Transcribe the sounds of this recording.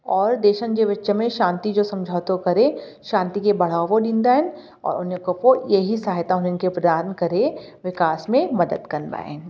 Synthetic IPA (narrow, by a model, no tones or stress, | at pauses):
ɔːɾd̪eːʃənd͡ʒeʋɐtːʃəmẽʃãːnt̪id͡ʒoːsɐ̃md͡ʒʱaːt̪okɐɾe | ʃãːnt̪ikebɐɽ̤aːʋoɖĩnd̪aːɦɛn | ɔ̰ːɾʊnekopojeɦisaːɦt̪aɦʊnenkepɾɐd̪aːɾnkɐɾeʋɪkaːsmẽmɐd̪əd̪kɐnba̰ːḛn